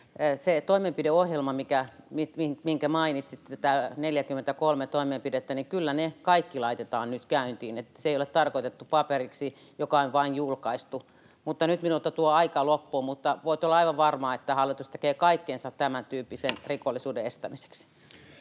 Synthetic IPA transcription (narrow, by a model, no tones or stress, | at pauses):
set̪oimempideohjelmɑmikæmiimiŋkæmɑinit̪sit̪ːæt̪æneljækymːent̪ækolmet̪oimempidet̪ːænikylːænekɑikːilɑit̪et̪ɑːnnyt̪kæynt̪iːnet̪ːæ̥seijolet̪t̪ɑrkoit̪et̪ːupɑperiksi | jokɑonʋɑinjulkɑist̪u | mut̪ːɑnyt̪minult̪ɑt̪uoɑikɑlopːuːmut̪ːɑʋoit̪olːɑɑiʋɑʋʋɑrmɑːet̪ːæhɑlːit̪ust̪ekeːkɑikːensɑt̪t̪æmænt̪yːpːisenrikolːisuːdeest̪æmise̥ks